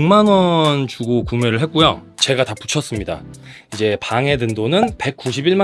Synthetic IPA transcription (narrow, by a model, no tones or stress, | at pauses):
uŋmanwʌnt͡ɕuɡokumeɾɯɭɦet̚k͈ujot͡ɕe̞ɡataput͡ɕʰʌs͈ɯmɲida̰ | id͡ʑe̞paŋe̞dɯndonɯnpe̞k̚k͈uɕʰibiɭma